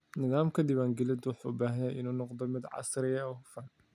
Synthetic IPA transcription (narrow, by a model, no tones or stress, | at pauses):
nɪðaːmkʰɐd̪ɪbβaːŋɡɛlɪd̪wʊħubaːɦɐjaːjʔɪnuːnɔqd̪ɔmɪd̪ʕɑ̰sɾɪjɐɔːhʊfɐn